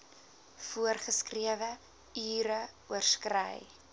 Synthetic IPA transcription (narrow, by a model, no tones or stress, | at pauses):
fuərχəskriəvə | yːɾə | uərskrə̰j